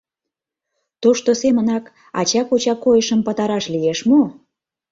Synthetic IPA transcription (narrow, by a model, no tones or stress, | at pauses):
t̪oʃt̪osemənɑk | ɑ̰t͡ɕɑkot͡ɕɑkojəʃəmpət̪ɑɾɑʃlijeʃmo